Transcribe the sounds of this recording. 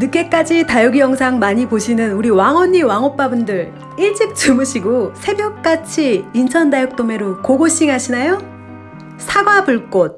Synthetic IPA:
nɯk͈e̞k͈ad͡ʑitajoɡijʌŋsʰaŋmaɲipoɕʰinɯnuɾiwaŋɦwʌɲːiwaŋop͈abundɯɾ | iɭt͡ɕ͈ik̚t͡ɕɯmɯɕʰiɡosʰe̞bjʌk̚k͈at͡ɕʰiːnt͡ɕʰʌndajʌk̚t͈ome̞ɾokoɡoɕ͈iŋɦaɕʰinajo | sʰaɡwabuɭk͈ot̚

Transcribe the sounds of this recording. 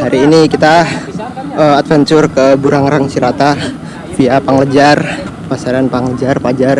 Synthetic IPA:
haɾiːnikit̪a | əat̪̚fənt͡ʃʊrkəbuɾaŋɾaŋsiɾat̪a | fiapaŋləd͡ʒar | pasaɾanpaŋləd͡ʒarpad͡ʒar

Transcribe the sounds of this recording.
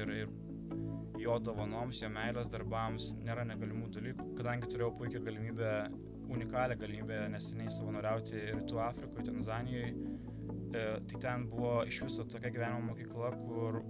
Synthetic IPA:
ɪɾɪr | joːd̪oːʋɐnoːmsjoːmʲɛɪlʲɛsd̪ɐɾbɐmsnʲeːɾɐnʲɛɡɐlʲɪmuːjːd̪ɐlʲiːkuːkɐd̪ɐŋʲɡʲɪt̪ʊɾʲeːjɛʊpʊɪkʲɛɡɐlʲɪmʲiːbʲe | ʊnʲɪkɑːlʲeːɡɐlʲɪmʲiːbʲeːnʲɛsʲɛnʲɛɪsɐʋɐnoːɾʲɛʊt̪ʲɪɪɾt̪uːɑːfʲɾʲɪkoːjt̪ʲɛnzɑːnʲɪjɛɪ | t̪ɐɪt̪ʲɛnbʊʋoːɪʃʋʲɪsot̪oːkʲɛɡʲɪʋʲæːnʲɪmɛmoːkʲiːklˠɐkʰʊr

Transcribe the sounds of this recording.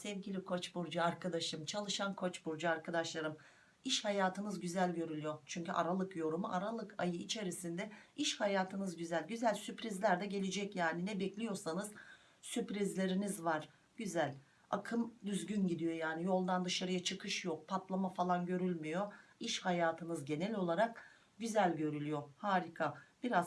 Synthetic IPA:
sɛvɟilʲikʰo̞t͡ʃbuɾd͡ʒaaɾkʰad̪aʃmt͡ʃʰalˠɯʃankʰo̞t͡ʃbuɾd͡ʒaaɾkʰad̪aʃlˠaɾɯm | iʃhajaːt̪ʰɯnɯzɟyzælʲɟø̞ɾylʲyjo̞t͡ʃʰyɲcyʔaɾalˠɯkjo̞ɾumuʔaɾalˠɯkʰajɯit͡ʃʰe̞ɾisind̪ɛiʃhajaːt̪ʰɯnɯzɟyzælʲɟyzælʲsypɾizlʲæɾd̪ɛɟe̞lʲed͡ʒɛcjaːninɛbɛclʲijo̞ɾsanɯz | sypɾizlʲe̞ɾinizvaɾ̥ | ɟ̥yzælʲ | a̰kʰɯmd̪yzɟynɟid̪ijo̞jaːnijo̞lˠd̪and̪ɯʃaɾɯjat͡ʃʰɯkʰɯʃjok̚pʰap̪lˠamafalˠanɟø̞ɾylʲmijo̞iʃhajaːt̪ʰɯnɯzɟe̞nɛlʲo̞lˠaɾak̚ | ɟyzælʲɟø̞ɾylʲyjo̞haːɾikʰab̥iɾaz

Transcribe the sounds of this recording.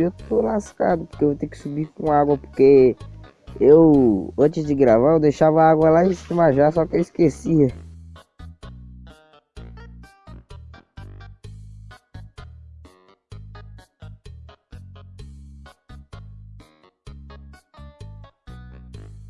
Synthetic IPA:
ewt̪olaskad̪ʊpo̥kevot̪ekɪ̥subikõaɡwɐpoɾke | ewɐ̃t͡ʃɪzd͡ʒɪɡɾavaewd̪ejʃavɐaɡwɐlaisɪd̪emaʒasɔkɪewiskesiɐ

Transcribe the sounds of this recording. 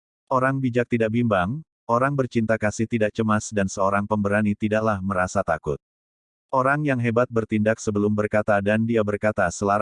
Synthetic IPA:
ʔoɾaŋbid͡ʒak̚t̪idaʔ̚bimbaŋ | ʔoɾaŋbərt͡ʃint̪akasɪht̪idaʔ̚t͡ʃəmasdansəoɾaŋpəmbəɾanit̪idaʔlahməɾasat̪akʊt̪̚ | ʔoɾaŋjaŋɦebat̪̚bərt̪indaksəbəlʊmbərkat̪adandiabərkat̪asəlaɾ

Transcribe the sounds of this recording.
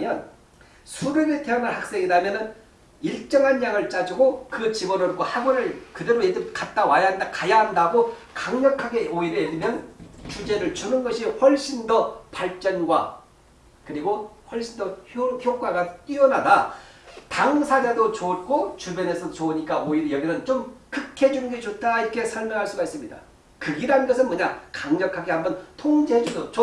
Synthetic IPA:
mjʌn | sʰuɾeɾeteanaɭhak̚s͈e̞ŋidamjʌnɯn | iɭt͡ɕ͈ʌŋɦanjaŋɯɭt͡ɕ͈ad͡ʑuɡokɯt͡ɕibʌɾɯɾɡ͈ohabuɾɯɭkɯdɯɾojed͡ʑɯmkat̚t͈awajaandakajaɦandaɡokaŋɲʌkʰaɡe̞oiɾedɯmjʌnt͡ɕud͡ʑe̞ɾɯɭt͡ɕunɯnɡʌɕʰihʌɭɕ͈indʌpaɭt͡ɕ͈ʌnɡwa̰ | kɯɾiɡoɸwʌɭɕ͈indʌoçjok͈aɡat͈iwʌnɦadataŋsʰad͡ʑadot͡ɕot̚k͈ot͡ɕubjʌne̞sʰʌt͡ɕouɲik͈aoiɾjʌɡinɯnt͡ɕomkɯkʰe̞d͡ʑunɯnɡet͡ɕot̚t͈ʰaiɾʌkʰe̞sʰʌɭmjʌŋɦaɭs͈uɡais͈ɯmɲida̰ | kɯɡiɾanɯnɡʌsʰɯnmʌɲakaŋɲʌkʰaɡehambʌntʰoŋd͡ʑeɦed͡ʑudot͡ɕo

